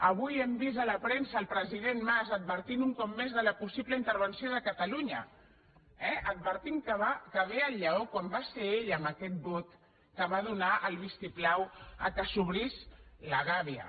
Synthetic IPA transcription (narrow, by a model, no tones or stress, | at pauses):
əβujembizələpɾensəːlˠpɾəziðenmazəd̪̚βəɾt̪inuŋkɔp̚mezðələpusiβləint̪əɾβənsioðəkət̪əluɲə̰ | ɛəd̪̚βəɾt̪iŋkəβakəβeəʎːəokwambaseeʎəmbəkɛt̪̚bot̪ | kəβaðunaʔəlˠβist̪iplawə̰kəsuβɾisləɣaβiə̰